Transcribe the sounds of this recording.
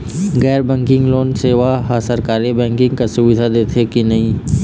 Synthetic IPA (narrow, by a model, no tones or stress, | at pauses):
ɣɛːɾbɛ̃ːŋkɪ̃ŋɡloːnseːʋaɦasəɾkaːɾibɛ̃ːŋkɪ̃ŋɡkasʊbɪd̪ʱad̪eːt̪ʰekinɐɦĩː